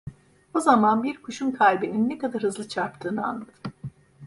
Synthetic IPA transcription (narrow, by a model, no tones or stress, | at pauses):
ozamanbiɾkʰuʃunkʰalʲbininːekad̪aɾhɯzlˠɯt͡ʃʰaɾpt̪ʰɯːnɯa̰nlˠad̪ɯ̥